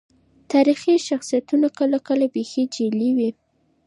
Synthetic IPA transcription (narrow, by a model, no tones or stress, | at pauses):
t̪aɾixiʃaxsijat̪unakəlakəlabexid͡ʒeliwi